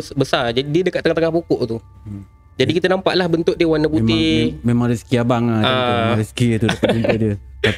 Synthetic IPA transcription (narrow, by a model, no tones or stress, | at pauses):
sbəsard͡ʒadidiədəkat̪ːəŋat̪əŋahpokɔʔt̪u | d͡ʒadikit̪ənampa̰ʔlahbənt̪ʊʔ̚diəwanəpuimemaŋɾiskiabaŋaamɾiskit̪udapaupədiəa